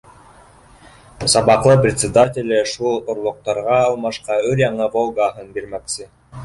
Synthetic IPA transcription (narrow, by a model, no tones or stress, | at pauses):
sɑbɑqlˠɤprʲɪt̪ʲsʲɪd̪atʲɪlʲɘʃulˠŏɾlˠŏq̚t̪ɑɾʁɑːlˠmɑʃqɑɵɾjɑɴɤvolˠɡaɦɤnbiɾmæksɘ